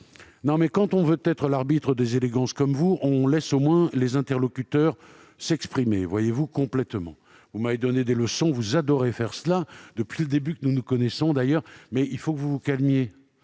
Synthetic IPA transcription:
nɔ̃mɛkɑ̃t̪ɔ̃vøət̪ɛt̪χəlaʁbit̪χəd̪ezeleɡɑ̃skɔmvuʔɔ̃lɛsomwɛ̃lezɛ̃t̪ɛʁlɔkʲyt̪œʁ | sɛkspχimevwajevukɔ̃plɛt̪mɑ̰̃ | vumaved̪ɔned̪eləsɔ̃vuzad̪ɔʁefɛʁsəlad̪əpɥiləd̪ebykənunukɔnɛsɔ̃d̪ajœːʁmɛilfokəvuvukalmje

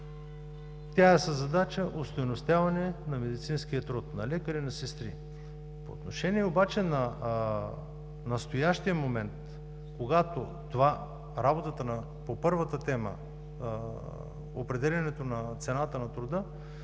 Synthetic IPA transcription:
t̪ʲaɛsɐzɐd̪at͡ʃəʔost̪ojnost̪ʲjavɐnɛnɐmɛd̪it̪sinsk̟ijɐt̪ɾɔt̪nɐlɛkəɾinɐsɛst̪ɾḭ | po̰ːt̪noʃɛniɛobat͡ʃɛnɐ | nɐst̪ojaʃt̪ijəmomɛnt̪ | koɡat̪o | t̪ova | ɾabot̪ət̪ənɐ | popɤɾvət̪ət̪ɛmə̰ | o̰pɾɛd̪ɛlʲɐnɛt̪onɐt̪sɛnat̪ənɐt̪ɾʊd̪ɤ

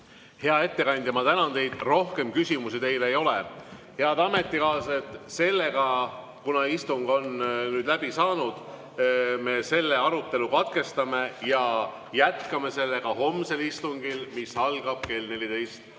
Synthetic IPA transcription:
he̞ɑe̞t̪ːe̞kɑnʲd̪jɑmɑt̪ænɑnt̪e̞jd̪̥ro̞hke̞mkysʲimusit̪e̞jle̞jo̞lehe̞ɑd̪ɑme̞t̪ːˑikɑːset̪ːˑse̞lːe̞ɡ̥ɑ | kunɑist̪uŋɡ̥o̞nnyːd̪læb̥isɑːnud̪̥ | me̞se̞lːe̞ɑɾut̪ːˑe̞lukɑt̪̚ke̞st̪ɑme̞jɑ | jæt̪kɑme̞se̞lːe̞ɡ̥ɑɦo̞mse̞list̪uŋɡ̥ilmisɑlɡ̥ɑb̥̚ke̞ːlne̞lʲit̪e̞jst̪

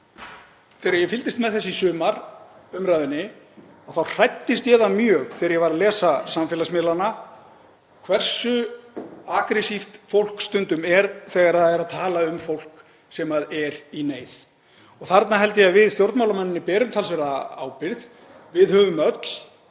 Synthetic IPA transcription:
fɛːɾaɾjɛfɪlt̪ɪst̪mɛðθɛs̬isʏːmaɾʏmɾaːjðʏnːɪ | awθawr̥ajt̪ːɪst̪jɛðamjœːɣθɛɾjɛvaɾalɛːsasamfɛːlasmɪlana | kʰvɛr̥sʏ | akɾɛsift̪fowl̥kst̪ʏnt̪ʏmɛɾθɛːɣaɾaðɛɾaðt̪ʰaːlaʏmfowl̥k | sɛmaðɛɾineːjð | ɔɣθaɾt̪naɦɛlt̪ɪjɛaðvɪðst̪jowɾt̪mawlamanːɪnːɪpɛːɾʏmt̪ʰalsvɛɾðaa̰ːwpɪɾð | vɪðhœːvʏmœt̪l̥

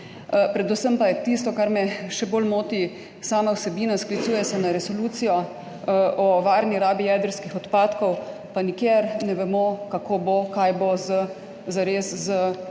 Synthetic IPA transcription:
pɾɛd̪usəmpajɛt̪ist̪ɔkaɾmɛʃɛboːlmoːt̪i | saːmawsɛbiːnasklit̪suːjɛsɛnaɾɛsoluːt̪sijɔ | ɔʋaːɾniɾaːbijɛːd̪əɾskixɔt̪paːt̪kɔw | panikjeɾnɛʋɛmokakoːbokajboz | zaɾeszə

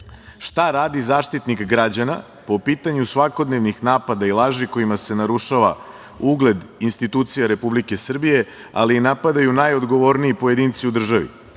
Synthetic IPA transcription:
ʃt̪aɾaːd̪izaːʃt̪it̪nikɡɾad͡ʑana̰ | po̞piːt̪aɲusʋako̞d̪ne̞ʋnixnaːpad̪ailˠaːʒiko̞imase̞naɾuʃaʋa | uɡle̞d̪inst̪it̪uːt̪sijaɾe̞publike̞sr̩bije̞ | a̰linapad̪ajunajo̞d̪ɡo̞ʋo̞ɾniipoje̞d̪iːnt̪siud̪r̩ʒaʋḭ

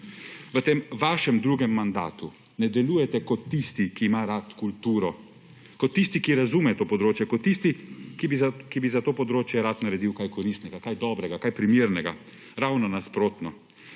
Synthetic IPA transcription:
ʋət̪eːmʋaːʃɛmd̪ɾuːɡɛmːand̪a̰ːt̪u | nɛd̪ɛluːjɛt̪ɛkɔt̪ːist̪ikiːmaːɾat̪kult̪uːɾɔ | kɔt̪ːist̪ikiɾazumɛt̪oːpɔd̪ɾoːt͡ʃjɛkɔt̪ːist̪ikibkibizat̪oːpɔd̪ɾoːt͡ʃjɛɾaːt̪naɾɛd̪iwkajkɔɾist̪nɛɡakajd̪ɔːbɾɛɡakajpɾimiːɾnɛɡa | ɾawnɔnaspɾoːt̪nɔ

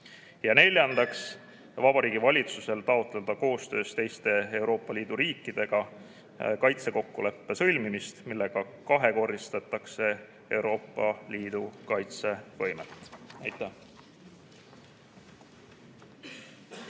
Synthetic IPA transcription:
jɑne̞lʲjɑnd̪ɑks | vɑb̥ɑɾiːɡ̥ivɑlʲit̪suse̞lt̪ɑot̪ˑle̞d̪̥ɑko̞ːst̪øːst̪e̞jst̪e̞ewɾo̞ːpːˑɑliːd̪̥uɾiːkːˑid̪̥e̞ɡ̥ɑ | kɑjt̪se̞ko̞kːule̞pːe̞sɤ̞lʲmimist̪milːe̞ɡ̥ɑ | kɑɦe̞ko̞rːist̪ɑt̪ːˑɑkse̞ | e̞wɾo̞ːpˑːɑliːd̪̥ukɑjt̪se̞vɤjmḛt̪ːˑæjt̪ˑːæh

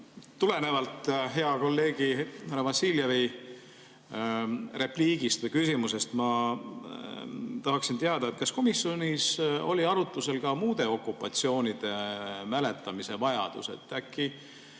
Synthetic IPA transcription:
t̪ule̞ne̞vɑlt̪ːˑɦe̞ɑko̞lːe̞ːɡ̥ihæɾɑvɑsiljɑvi | re̞pliːɡ̥ist̪vɨjkysʲimuse̞st̪mɑ | t̪ɑɦɑksint̪eɑd̪̥ɑet̪̚kɑsko̞misjo̞niso̞̰lʲiɑɾut̪ːˑuse̞lkɑmuːd̪̥e̞o̞kːupːˑɑt̪sio̞ːnid̪̥e̞mæle̞t̪ːˑɑmise̞vɑjɑ̰d̪̥ṵse̞̰t̪ːˑækːi

